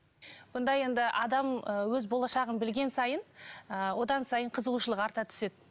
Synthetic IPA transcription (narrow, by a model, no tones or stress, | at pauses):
b̥ʊnd̪ɑje̞nd̪ɪʔɑd̪ɑməwɵzbo̞lˠɑʃɑʁənbɪlɡʲe̞nsɑjənəwo̞d̪ɑnsɑjəɴqʰəzəʁuʃəlˠəqɑɾt̪ɑt̪ʰʏ̥se̞d̪ɪ